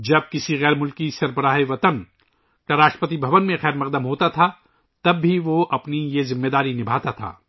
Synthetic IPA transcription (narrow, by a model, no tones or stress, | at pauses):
d͡ʒɐb̚kɪsiɣɛːɾmʊlkisɐɾbəɾaːɦeʋɐt̪ən | ʈɐɾaːʃpət̪ibʱɐʋənmẽɣɛːɾmɐq̚d̪əmɦoːt̪at̪ʰa | t̪ɐbːiʋoʔɐpnijezɪmːed̪aːɾinɪbʱaːt̪at̪ʰa̰ː